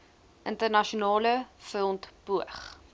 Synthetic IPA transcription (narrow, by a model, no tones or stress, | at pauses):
ʔəntərnɐʃiunɑːləfəlˠntbuəχ